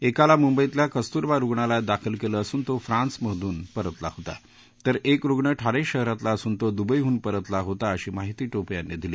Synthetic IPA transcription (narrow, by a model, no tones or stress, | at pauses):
ekalamumbəit̪ljakəst̪uɾʋaɾuɡɳalad̪akʰəlkeləːsuːnt̪ofɾãnsməd̪ʱuːnpəɾət̪la̰hot̪a̰ | t̪əɾekɾuɡɳəʈʰaɽeɕəɦɾat̪laəsuːnt̪od̪ubəjɦuːnpəɾət̪laɦot̪aəɕiːmaɦit̪iːʈopjanːed̪ʱileː